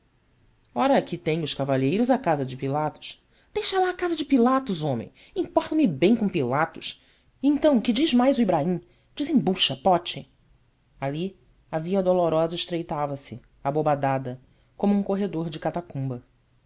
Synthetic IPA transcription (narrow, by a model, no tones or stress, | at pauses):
ɔɾɐkɪt̪ẽj̃ʊʃkavaʎejɾʊzakazɐd͡ʒɪpilat̪ʊ̥s | d̪̥ejʃɐlaːkazɐd͡ʒɪpilat̪ʊzõmḛ̃j̃ | ĩpɔɾt̪ɐmɪbẽj̃kõpilat̪ʊʃ | ẽnt̪ɐ̃w̃kɪd͡ʒiʒmajzʊibɾaĩ | d͡ʒizẽbuʃɐpɔt͡ʃɪ | ali | aviɐd̪oloɾɔzɐɪʃt̪ɾejt̪avɐsɪ | abobad̪ad̪ɐ | kõmʊũŋkoɦed̪oɾd͡ʒɪkat̪akũmbɐ